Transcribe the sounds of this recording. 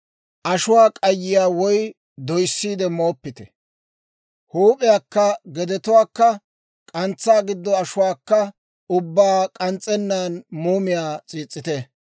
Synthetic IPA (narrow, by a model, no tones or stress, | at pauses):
ʔɐʃʊwaːkʼɐjːɪjaːwɔj | d̪ɔjsːiːd̪ɛmo̞ːpːɪt̪ɛ | huːpʼɪjaːkːɐɡɛd̪ɛt̪ʊwaːkːɐ | kʼɐnt͡sːaːɡɪd̪ːɔɐʃʊwaːkːɐ | ʊbːaːkʼɐnt͡sʼːɛnːaːnmuːmɪjaːt͡sʼiːt͡sʼːɪt̪ɛ